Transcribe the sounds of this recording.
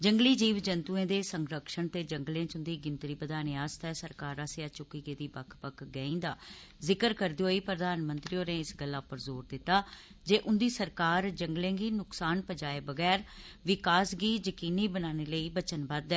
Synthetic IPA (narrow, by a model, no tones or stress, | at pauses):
d͡ʒəŋɡliːd͡ʒiːʋd͡ʒənt̪uẽːd̪eːsəŋɡɾəkʃəɳt̪eːd͡ʒəŋɡlẽːt͡ʃʊ̃nd̪iːɡɪnt̪ɾiːbəd̪aːneːaːst̪ɛːsəɾkaːɾaːsɪjaːt͡ʃʊkːiːɡeːd̪iːbəkʰpəkʰɡɛːĩːd̪aː | zɪkəɾkəɾd̪iːɦoːiːpɾəd̪aːnmənt̪ɾiːoːnẽːɪsɡəlːaːpəɾzoːɾd̪ɪt̪ːaː | d͡ʒeːʔʊnd̪iːsəɾkaːɾd͡ʒəŋɡlẽːɡiːnʊksaːnpəd͡ʒaːeːbəɡɛːɾʋɪkaːsɡiːd͡ʒəkiːniːbənaːneːləiːbət͡ʃənbəd̪ɛː